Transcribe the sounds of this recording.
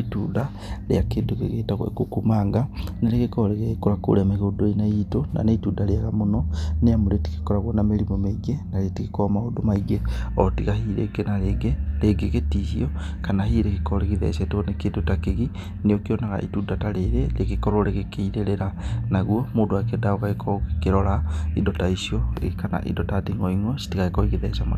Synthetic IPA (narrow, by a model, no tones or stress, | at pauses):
ituːnda | ɾḛakeːndokḛɣetaɣ̰kokumaŋɡaneɾeɣekɔɾeɣeɣekoɾako̰ɾeameɣodoenaitona̰neituːdaɾeaɣamonɔneamoɾeti̥ke̥kɔɾaɣwɔnameɾimɔmeiɡenaɾeetikekɔmaodomaiɡeɔtiɣahiːɾḛɡenaeɡeɾeɡeketisiɔ | kanahiɾekekɔɾeɣiðɛ̰satonekedotakeɣi | neokiɔnaɣa̰ʔḭtudataɾeɾelekekɔɾoɾeɣekʰeiɾeɾeɾanaɣuɔmoːdoakedaokaekʰɔkeɾɔɾaidɔtaisiɔekana̰ʔḭdɔtatiŋɡɔiŋɔsi̥tikaekɔiɣeðɛsamo̰